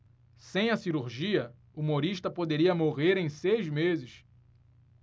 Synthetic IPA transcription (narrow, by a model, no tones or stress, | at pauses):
sẽj̃ɐsiɾuɾʒiɐ | uumoɾiʃt̪ɐpod̪eɾiɐmoʁeɾẽj̃sejzmezɪʃ